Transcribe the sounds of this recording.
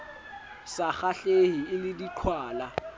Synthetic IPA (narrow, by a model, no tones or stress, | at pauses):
saχaɬeɦiɪlɪdiǃʰwaːla